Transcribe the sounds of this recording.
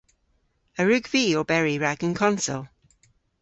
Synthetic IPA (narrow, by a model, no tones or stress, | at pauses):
əɹʉɡviːəbɛɹiɹaɡ̥ə̃nkʰɒ̃nsə̰lˠ